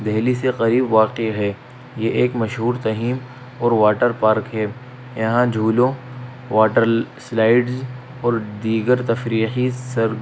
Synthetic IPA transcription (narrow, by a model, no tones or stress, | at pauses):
d̪ɛɦliseqɐɾiːbʋaːqeɦɛː | jeʔeːkmɐʃɦuːɾt̪ɐɦiːm | ɔːɾʋaːʈəɾpaːɾkɦɛː | jɐɦãd͡ʒʱuːlõ | ʋaːʈəɾslaːɪɖz | ɔːɾd̪iːɡəɾt̪ɐfɾiːxisɐɾ